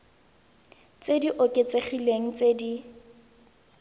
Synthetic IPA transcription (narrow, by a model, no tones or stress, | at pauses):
t͡sediʔʊkʼet͡seχileŋ̩t͡sedi